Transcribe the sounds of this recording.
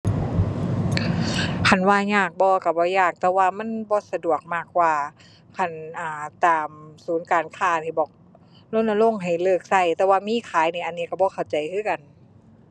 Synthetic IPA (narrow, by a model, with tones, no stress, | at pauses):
kʰa˧˩˨nwaː˧ɲaː˧˩k̚bɔː˧ka˧˩bɔː˧˦jaː˧˩k̚t̪ɛː˧waː˧ma˧˥˨nbɔː˧˦sa˧du˨˩ək̚maː˧˩k̚waː˧ | kʰa˧˩nʔaː˧˩t̪aː˨˩msuː˨˦nkaː˨nkʰaː˧˩niː˧˩bɔː˨˩k̚ | lo˧˥˨nʔa˧lo˧˥˨ŋɦa˨˩jlɤː˧˩k̚sa˧˩jt̪ɛː˧waː˧miː˧˥˨kʰaː˨˦jniː˧˨ʔa˨nːiː˧˩˨ka˧˩bɔː˧˦xʰa˨˩wt͡ɕa˨˩jkʰɯː˧˥˨ka˨n